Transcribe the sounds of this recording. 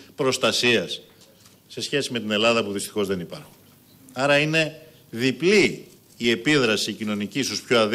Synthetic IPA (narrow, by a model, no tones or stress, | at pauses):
pɾo̞st̪ɐsiɐsː | e̞sçe̞sime̞t̪ine̞lɐðɐpuðist̪i̥xo̞zðe̞nipɐ̰ɾxun | ɐɾɐine̞ | ðipliː | e̞piðɾɐsicino̞nicisuspçoɐð